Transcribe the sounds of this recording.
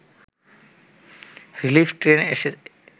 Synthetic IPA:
ɾilifʈɾeneʃe

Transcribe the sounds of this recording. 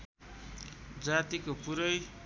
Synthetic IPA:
d͡zat̪ikopuɾʌj

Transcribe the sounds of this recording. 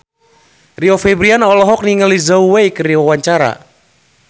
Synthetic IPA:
riɔfɛbɾianɔlɔɦɔk̚niŋəlizauwejkəɾiawaɲt͡ʃaɾa̰

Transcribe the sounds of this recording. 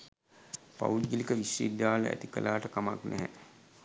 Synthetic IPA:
pa̰uɡilikəʋisjḭːd̪ːaːlə̰æ̰t̪ikəlaːʈəkamaknɛɦɛ

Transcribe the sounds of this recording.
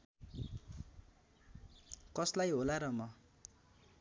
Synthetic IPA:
kʌslajɦolaɾʌmʌ

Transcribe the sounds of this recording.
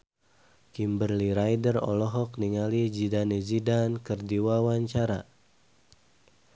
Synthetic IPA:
kimbərliɾajdərɔ̰lɔɦɔk̚niŋalid͡ʒidanizidankərdiwawaɲt͡ʃaɾa

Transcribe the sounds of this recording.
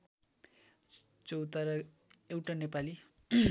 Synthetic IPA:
t͡sowt̪aɾʌ | ewʈanepali

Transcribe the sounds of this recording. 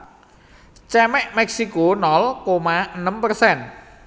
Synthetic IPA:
t͡ʃɛmɛʔmɛksikonɔlkomaənəmpərsɛn

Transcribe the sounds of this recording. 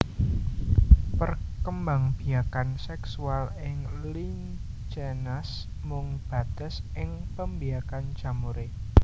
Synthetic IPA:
pərkəmbaŋb̥i̤jakansɛksualɪŋlin | d͡ʒenas | mʊŋb̥a̤d̪̥ə̤sɪŋpəmbiakand͡ʒ̥amuɾe

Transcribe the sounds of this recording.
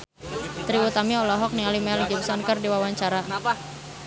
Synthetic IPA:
t̪ɾiut̪amiɔlɔɦɔk̚nialimɛld͡ʒəbsɔnkərdiwawaɲt͡ʃaɾa

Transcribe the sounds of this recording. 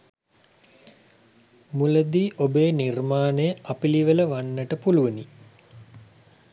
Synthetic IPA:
muləd̪iːʔobeːnirmaːnəjəʔapiliʋələʋanːəʈəpuluʋəni

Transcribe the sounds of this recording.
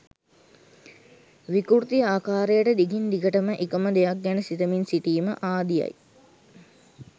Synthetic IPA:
ʋikuɾt̪iaːkaːɾejəʈəd̪iɡind̪iɡəʈəməʔikəməd̪ejak̚ɡænəsit̪əminsiʈiːməʔaːd̪ija̰j

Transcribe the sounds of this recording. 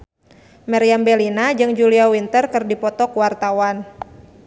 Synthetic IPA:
mɛɾiambɛlinad͡ʒɨŋd͡ʒuliawint̪ərkɨrdipɔt̪ɔkuwart̪awan

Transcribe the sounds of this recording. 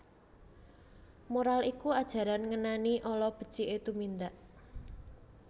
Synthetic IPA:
moɾalikuad̥ʒ̥a̤ɾanŋənaniʔɔlɔb̥ə̤̥d̥t͡ʃiʔet̪umind̪aʔ

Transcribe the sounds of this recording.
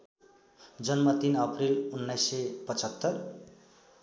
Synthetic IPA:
d͡zʌnmʌt̪inʌprilunːajsepʌt͡sʌt̪ːʌr

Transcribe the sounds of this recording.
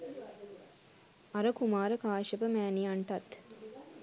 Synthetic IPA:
ɐɾəkumaːɾəkaːʃəpəmæːniaɳʈɐt̪

